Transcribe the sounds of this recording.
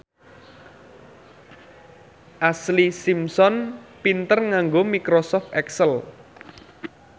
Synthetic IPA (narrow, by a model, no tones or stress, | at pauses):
ʔaslisimsɔnpint̪ərŋaŋɡomikɾosɔft̪ɛksəl